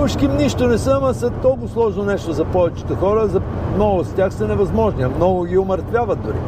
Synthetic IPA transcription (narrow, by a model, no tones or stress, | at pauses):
ʊʃkʲimniʃt̪onɛsəmɐsɛt̪ɔlˠkʊslˠɔʒnonɛʃt̪ozɐpɔvɛt͡ʃi̥t̪ɛxɔɾəzɐmnɔɡʊstʲaxsɐnɛvɐzmɔʒniɐmnɔɡʊɡʲioməɾt̪vʲjavət̪̚d̪ʊɾḭ